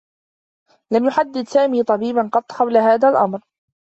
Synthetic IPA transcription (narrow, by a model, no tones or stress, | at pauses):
lamjʊħad̪ːɪd̪saːmiːt̪ˤɑbiːbanqɑt̪ˤːqɑwlaɦaːðaːlʔamɾ